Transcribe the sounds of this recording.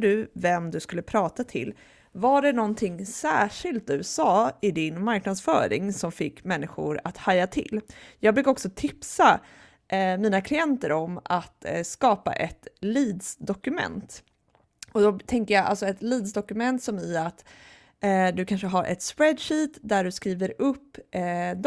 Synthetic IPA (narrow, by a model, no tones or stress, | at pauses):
ɖ̪ɵvɛmd̪ɵskɵlːəpʰɾɑːt̪at̪ʰɪ̰l | vaɖɛnɔnt̪ʰɪŋːsæːʂɪlt̪̚d̪ɵsɑːɪd̪ɪnmaɾknad̪sfœ̰ːɾɪ̰ŋsɔmfɪkːmɛnːɪɧʊ̰ɾa̰t̪hajat̪ʰɪ̰lːjɑːɡbɾʉːkːaɔksɔt̪ʰɪpsa | ʔmiːnakʰlɪɛnt̪əɾɔmat̪skɑːpa̰ʔɛt̪liːd̪sd̪ɔkɵmɛ̰nt̪ | ɔd̪ɔt̪ʰɛŋkəjaa̰lsɔɛt̪liːd̪sd̪ɔkɵmɛnt̪sɔmæat̪ | d̪ɵkʰanʂəɦaɾʔɛ̰t̪spɾɛd̪ʂiːt̪d̪æɖɵskɾiːvəɾɵpːd̪